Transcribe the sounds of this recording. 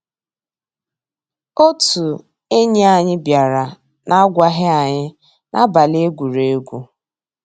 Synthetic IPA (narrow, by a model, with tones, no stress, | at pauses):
o˦tu˨ | e˦ɲe˦a˨ɲɪ˦bja˨ɾa˨ | na˦a˦ɡʷa˦ɦɪ˦a˨ɲɪ˦ | nʔa̰˦ba˨le˦e˦ɡʷu˨ɾe˨e˦ɡʷu˦